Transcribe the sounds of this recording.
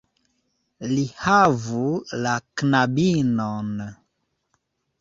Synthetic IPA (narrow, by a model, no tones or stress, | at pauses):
lihavulaknabinon